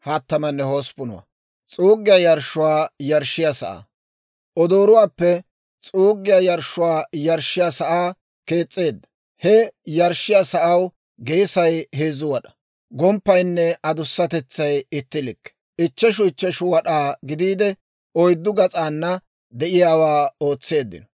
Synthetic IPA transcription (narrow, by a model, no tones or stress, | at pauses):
hat̪ːɐmɐnːɛhoːspʊnʊ̰wa̰ | t͡sʼuːɡːɪjajɐɾʃːʊwaːjɐɾʃːɪjasɐ̰ʔa̰ː | ʔɔd̪oːɾʊwaːpːɛ | t͡sʼuːɡːɪjɐjɐɾʃʊwaːjɐɾʃːɪjasɐʔaː | ke̞ːt͡sʼːe̞ːd̪ːɐ̥ | hɛjɐɾʃːɪjasɐʔɐw | ɡejsɐjɦeːzʊwɐɗɐ̥ | ɡɔmpːɐjnːɛɐd̪ʊsːɐt̪ɛt͡sːɐjɪt̪ːɪlɪkː | ʔɪt͡ʃːɛʃ̬ʊɪt͡ʃːɛʃʊwɐɗaːɡɪd̪iːd̪ɛ | ɔjd̪ːʊɡɐt͡sʼaːnːɐ | d̪ɛʔɪjaːwaːo̞ːt͡sːe̞ːd̪ːɪ̰nɔ